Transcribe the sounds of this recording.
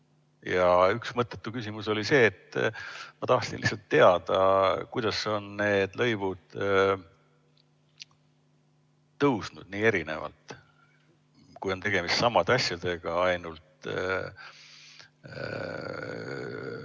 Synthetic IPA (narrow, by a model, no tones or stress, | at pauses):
jɑyksmɤt̪ːˑet̪ːukys̬ʲimuso̞lise̞ːt̪ːmɑt̪ɑht̪sinlihsɑlt̪ːe̞ɑd̪̥ɑkujd̪̥ɑso̞nːe̞ːd̪̥lɤ̞jvud̪̥ | t̪ːɤwsnud̥̪̚niːe̞ɾine̞̰vɑ̰lt̪ˑ | kujo̞nt̪e̞ɡ̥e̞mist̪sɑmɑd̪eɑsjɑd̪̥e̞ɡ̥ɑɑjnult̪